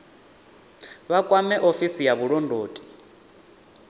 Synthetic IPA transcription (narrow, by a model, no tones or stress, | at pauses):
βakʼwamɛʔofisijaβuɺɔndʱoːtʼi̥